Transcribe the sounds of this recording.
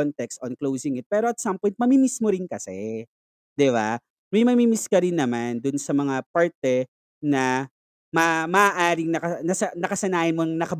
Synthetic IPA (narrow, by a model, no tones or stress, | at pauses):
ont̪ɛkst̪ʔonklowsɪŋɪt̪̚pɛːɾoɐt̪̚sampɔjnt̪̚mɐmimismoɾɪnkɐsɛ | d̪ɪβa̰ | mɐjmɐmimɪskɐɾɪnːɐmand̪ʊnsɐmɐŋapaɹt̪ɛ | nɐ | mɐmɐʔaːʔaːɾɪŋnɐkɐnɐsɐnɐkɐsɐnaːhɪnmonɐŋnɐkɐb